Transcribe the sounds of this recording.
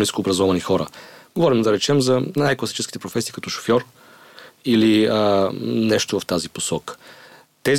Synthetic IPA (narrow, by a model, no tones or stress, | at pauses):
niskoːbɾɐzɔvɐnixɔɾə̰ɡ̥ovɔɾimd̪ɐɾɛt͡ʃɛmzɐnajklˠɐsi̥t͡ʃɛski̥t̪ɛpɾofɛsiːkɐt̪ɔʃo̥fjɔɾ | iliənɛʃt̪ovɐft̪aziposɔkə̥ | t̪ɛz